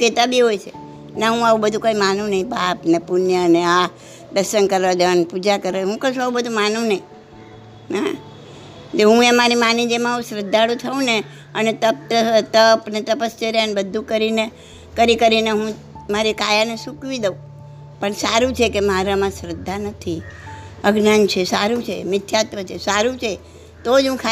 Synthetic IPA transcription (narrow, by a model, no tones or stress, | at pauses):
ket̪abiɦojt͡ʃʰe | naɦũaũbəd̪ʱũkoimanũnəɦĩbapnepʊnjənea | d̪əsənkəɾʋad͡ʒ̪ənpud͡ʒakəɾaɦũkəʃũaʋubəd̪ʱũmanũnəɦĩ | ɦã̰ | d͡ʒeɦũemaɾimanĩd͡ʒemãũsɾəd̪ʱːaɽũt̪ʰəũne | ənet̪əp̚t̪ət̪əpnet̪əpəst͡ʃəɾanbəd̪ʱũkəɾine | kəɾikəɾineɦũ | maɾikajanesukʋid̪əũ | pəɳsaɾũt͡ʃʰekemaɾamãsɾəd̪ʱːanət̪ʰiəɡnant͡ʃʰesaɾũt͡ʃʰḛmɪt̪ʰːjat̪ʋət͡ʃʰesaɾũt͡ʃʰe | t̪od͡ʒɦũkʰa